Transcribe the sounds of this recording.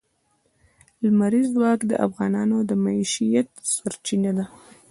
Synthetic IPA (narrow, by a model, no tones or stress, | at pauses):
lmaɾizwɑkd̪ə̰ʔa̰fɣɑnɑnod̪əmaiʃijat̪saɾt͡ʃinad̪a